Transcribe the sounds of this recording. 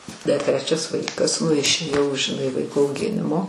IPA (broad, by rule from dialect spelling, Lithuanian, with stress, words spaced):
dɐr ˈtʲrʲæːt͡ʃʲɛs ˈʋɐɪkɐs nʊ ɪʃʲeːˈjɛʊ ʒʲɪˈnɐɪ ˈʋɐɪkoː ɐʊˈɡʲɪnʲɪmoː